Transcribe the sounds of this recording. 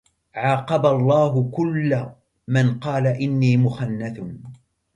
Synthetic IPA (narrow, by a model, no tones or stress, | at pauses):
ʕɑːqɑbalˤːɑːɦʊkʊlːa | manqɑːlaʔɪnːiːmʊxanːaθ